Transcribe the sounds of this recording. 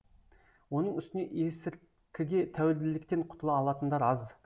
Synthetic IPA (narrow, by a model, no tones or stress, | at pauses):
wo̞nəɴʏst̪ɪne̞ʔesɪɾ | kʲʰɪɡʲe̞t̪ʰæwɪld̪ɪlɪkt̪e̞ɴqʰʊ̥t̪əlˠɑːlˠɑt̪ənd̪ɑɾɑz